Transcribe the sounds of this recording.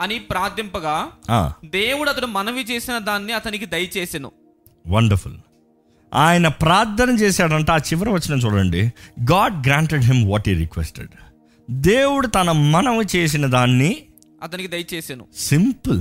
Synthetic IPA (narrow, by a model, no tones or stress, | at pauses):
ɐnipɾaːd̪ʱjɐmpɐɡaːa̰ːd̪eːwuɽuɐt̪ɐɽumɐnɐʋit͡ʃe̞ːsinɐd̪aːnːiɐt̪ɐnikid̪ɐjɐt͡ʃeːsinṵ | ʋɐɳɖɐɾfṵl | aːjɐnɐpɾaːd̪ɐnɐmt͡ʃɛːsaːɽɐɳʈeaːt͡ʃiʋɐɾɐʋɐt͡ʃːinɐːt͡ʃuːɽɐɳɖiɡaːɖɡɾaːɳʈeɖɦimʋɔʈɦiːɾḭkʋḛsʈeɖ | d̪eːwuɽut̪ɐnɐmɐnɐʋit͡ʃe̞ːs̬inɐd̪aːnːi | ɐt̪ɐnikid̪ɐjɐt͡ʃeːsɐnṵsimpl